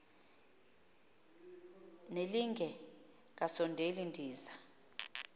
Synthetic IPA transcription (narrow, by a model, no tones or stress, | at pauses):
neliŋɡʱɛ | k̬ʼasɔndʱelindʱiːza